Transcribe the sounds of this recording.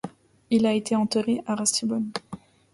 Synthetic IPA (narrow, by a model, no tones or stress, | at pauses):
ilaet̪eɑ̃t̪əʁeʔaʁasibɔn